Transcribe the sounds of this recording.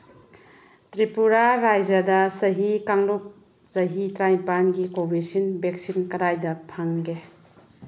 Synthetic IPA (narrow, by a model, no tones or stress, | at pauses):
tɾipuɾaɾajd͡ʒɐdɐsɐɦikaŋluk̚ | sɐɦitɾajpanɡikobisinbek̚sinkɐɾajdɐpʰaŋɡe